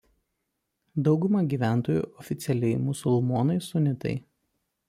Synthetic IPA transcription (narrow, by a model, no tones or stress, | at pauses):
d̪ɒʊɡʊmɐɡʲiːʋʲæˑnt̪oːjṵːʔɔfʲɪt̪sʲɛlʲɛɪmʊsʊlˠmoːnɐɪsʊnʲɪt̪ɐ̰ɪ